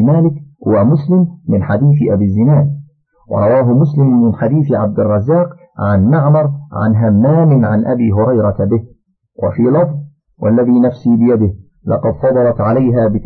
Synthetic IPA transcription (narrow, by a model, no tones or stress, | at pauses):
maːlɪkhʊwamʊslɪmːɪnħad̪iːθɪʔabizːɪnaːd | wɑ̰ɾˤɑwaːɦʊmʊslɪmːɪnħad̪iːθɪʕab̚d̪ɪrˤːɑzːaːq | ʕanmaʕmɑɾˤʕa̰nɦamːaːmɪnʕanʔabiːɦʊɾˤɑjɾˤɑt̪abɪh | wʔa̰fiːlɑfðˤ | wʔa̰lːaðiːnafsiːbɪjad̪ɪh | lɑqɑd̪fɑd̪ˤɑlɑt̪ʕalajɦaːbɪ